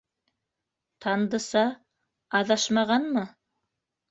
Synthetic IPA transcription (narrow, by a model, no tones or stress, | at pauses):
t̪ʰɑnd̪ɤ̆sɑ | ɑðɑʃmɑʁɑnmɤ